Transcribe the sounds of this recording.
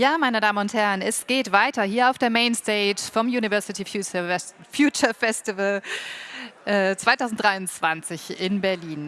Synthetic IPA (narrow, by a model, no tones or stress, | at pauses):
jaːmaɪnədaːmənʊnthɛɐənɛsɡ̥eːtv̥aɪtɐhiːɐaʊfd̥eːɐmeɪnsteɪtfɔmjuːnivɛɐsɪti | fjuːt͡ʃɐfɛstɪvəl | ʔɛːt͡sv̥aɪtaʊzn̩td̥ʁaɪʊnt͡sv̥ant͡sɪçɪnbɛɐliːn